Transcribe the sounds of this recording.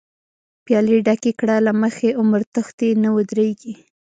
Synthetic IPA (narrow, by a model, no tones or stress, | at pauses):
pjɑliɖakekɽalaməxeʔʊməɾt̪əxt̪enawəd̪ɾeɡi